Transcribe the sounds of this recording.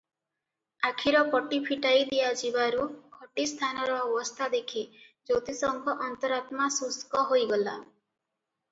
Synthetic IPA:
akʰiɾɔpɔʈipʰiʈajd̪ijad͡ʒibaɾukʰɔʈist̪ʰanɔɾɔːbɔst̪ʰad̪ekʰid͡ʒowt̪isɔŋɡʰɔʔɔnt̪ɔɾat̪masuskɔɦojɡɔla

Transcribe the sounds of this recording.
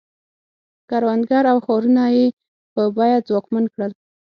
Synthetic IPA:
kaɾwand̪ɡaɾawxɑɾunaje | pəbɑjad͡zwɑkmankɽəl

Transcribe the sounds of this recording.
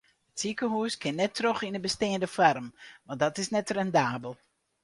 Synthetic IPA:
ətsikəhuəskɪnːɛtroxindəbəsteːəndəfarmʋadɔtɪsnɛtrɛndaːbəlˠ

